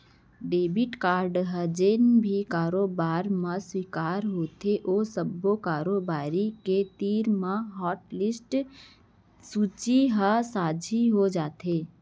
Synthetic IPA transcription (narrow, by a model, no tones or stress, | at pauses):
ɖeːbɪʈkaːɾɖɦəd͡ʒenbʱikaːɾobaːɾmãswikaːɾɦoːt̪ʰeʔoːsəbːokaːɾobaːɾiket̪iːɾmãɦɔːʈlɪsʈ | sut͡ʃiɦəsaːd͡ʒʱiɦod͡ʒaːt̪eː